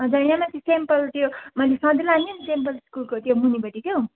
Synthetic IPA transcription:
ɦʌ̃d͡zʌinamat͡sisempʌlt̪jomʌlesʌ̃d̪ilaninsempʌlskulkot̪jomunibʌʈikjo

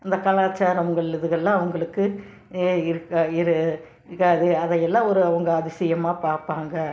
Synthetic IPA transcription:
ɐnd̪ɐkɐlaːt͡ʃːaːɾɐmɡɐɭɐðɯɣɐlːãːɐʋɐŋɡɐɭɯkːɯ | ɪɾɯkːaɪɾɯ | kːɐðɯɐðɐjɛlːãːɔɾɯɐʋɐŋɡɐɐðɪsɐjɐmaːpaːɾpaːŋɡɐ

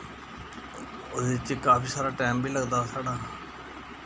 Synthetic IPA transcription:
od̪et͡ʃkaːpʰiːsaːɾaːʈɛːmbʱiːləɡd̪aːsaːɽaː

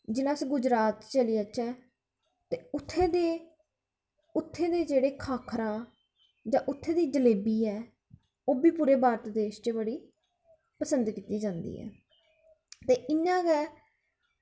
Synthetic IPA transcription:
d͡ʒɪnãːsĩːɡʊd͡ʒɾaːt̪t͡ʃəlijaːt͡ʃɛː | t̪eːʊt̪ʰːeːd̪eː | ʊt̪ʰːeːd̪eːd͡ʒeːɽeːkʰaːkʰɾaː | d͡ʒãːʔʊt̪ʰːeːd̪iːd͡ʒəleːbiːɛː | oːbiːpuːɾeːbaːɾt̪d̪eːʃt͡ʃeːbəɽiː | pəsənd̪kiːt̪iːd͡ʒãːnd̪ḭːɦɛ̰ː | t̪eːʔɪnːãːɡɛː

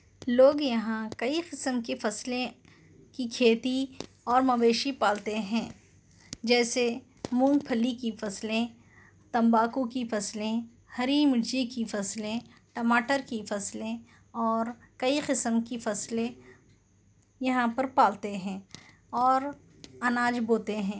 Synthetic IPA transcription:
loːɡjɐɦãkɐiqɪsəmkefɐslẽ | kikʰeːt̪i | ɔːɾmɐʋeːʃipaːlt̪eɦɛ̃ː | d͡ʒɛːse | mũːŋɡpʰəlikifɐslẽ | t̪ɐ̃mbaːkukifɐslẽ | hɐɾiːmɪɽd͡ʒikifɐslẽ | ʈɐmaːʈəɾkifɐslẽ | ɔːɾ | kɐiqɪsəmkifɐslẽ | jɐɦãpɐɾpaːlt̪eɦɛ̃ː | ɔːɾ | ɐnaːd͡ʒboːt̪eɦɛ̃ː

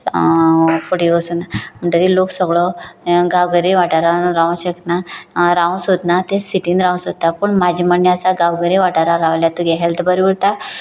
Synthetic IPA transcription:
kʰoɽiɡosuːnam̤əɳʈ̪əɾiloksəɡɭɔɡawɡəɾiʋaʈaɾaɾaʋãɕək̪naɾaʋ̃sɦot̪nat̪ẽsiʈinɾãw̃sɦot̪apəɳmad͡ʑʱiːməɳjəəsaɡawɡəɾiʋaʈaɾaɾaʋljat̪uɡeɦelt̪ʰbəɾibəɽt̪a

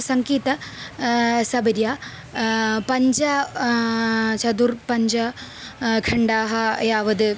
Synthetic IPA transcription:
sɐŋkiːt̪ɐ | sɐbɐɾjaː | pɐɲd͡ʒɐ | t͡ʃɐd̪uɾpɐɲd͡ʒɐ | kʰɐɳɖaːɦɐjaːʋɐd̪ɨ

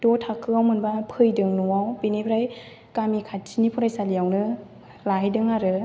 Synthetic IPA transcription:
d̥ɔtʰakʰɯawmɯnbapʰɯjdɯŋnuwawpinibʰɾaj | kamikʰat̚tʰinipʰuɾajsalijawnɯ | lajdɯŋaɾɯ

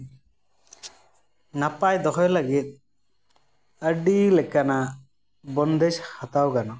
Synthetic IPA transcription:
napajd̪ɔkɔjləɡit̪̚ˀ | əɖilɛkana | bɔnd̪ɛd͡ʒhat̪awkana

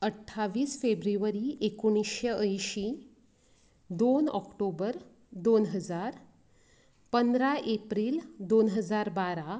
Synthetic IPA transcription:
əʈʰːaʋiːsfebɾiʋəɾiʔekuɽ̃iɕjəʔəjɕi | d̪onɔ̰kʈobəɾ | d̪onɦəd͡zaɾ | pənd̪ɾaʔepɾiːld̪onɦəd͡zaɾbaɾa

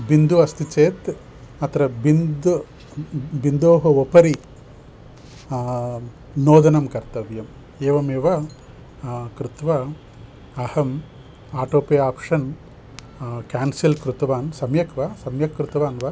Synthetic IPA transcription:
bind̪uɐst̪it͡ʃeːt̪ | ɐt̪ɾɐbind̪ | bind̪oːɦɐopɐɾi | noːd̪ɐnɐmkɐɾt̪ɐʋjɐm | eːʋɐmeːʋɐ | kɾut̪ʋɐ | ɐhɐm | aːʈoːpeːaːpʂɐn | kaːnsilkɾut̪ɐʋaːnsɐmjɐkʋɐsɐmjɐkːɾut̪ɐʋaːnʋɐ

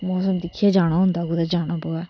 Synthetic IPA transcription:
mɔːsəmd̪ɪkʰːɪjaːd͡ʒaːɽ̃aːɦʊ̃nd̪aːɡʊd̪aːd͡ʒaːɽ̃aːboaː

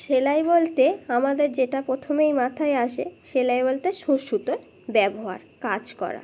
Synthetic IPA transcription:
ʃelajbolt̪eamad̪eɾd͡ʑeʈapɾot̪ʰomejmat̪ʰaeaʃḛʃelajbolt̪eʃuʃut̪o | bɛboɦa̰ɾkad͡ʑkɔ̰ɾa̰

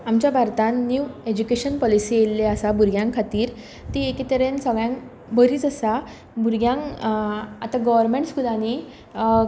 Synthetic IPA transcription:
amt͡ɕjabʱaɾt̪ãnnjued͡ʑukeɕənpɔlisielːeəsabʱuɾɡjãŋkʰːat̪iːɾ | t̪iekit̪əɾẽnsəɡɭjãŋ | bʱəɾiːt͡səsa | bʱuɾɡjãŋ | at̪aɡəʋəɾmeɳʈskud̪ani

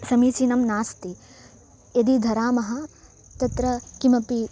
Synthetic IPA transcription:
sɐmiːt͡ʃiːnɐmnaːst̪i | ed̪id̪ʱɐɾaːmɐɦɐ̆ | t̪ɐt̪ɾɐkimɐpi

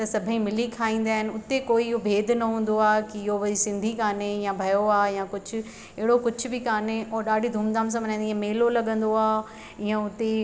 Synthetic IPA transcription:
t̪ɐsɐbʱəĩmɪlikʰaːĩːn̆d̪aːɦɪnɪ̆ʊt̪ekoːiɪɦobʱeːd̪ʱnɐɦũːn̆d̪oaːkiɪɦoʋɐisɪ̃nd̪ʱikaːnejãbʱɐjoaːjãkʊd͡ʑʱʊ̆ | ɐɦɪɽokʊd͡ʑʱʊ̆bɪkaːneɔːɾɗaːɖʱid̪ʱuːmd̪aːms̬ãʋɐɲãːniiãmeːlolɐɠə̃nd̪oaː | ɪãʊt̪e

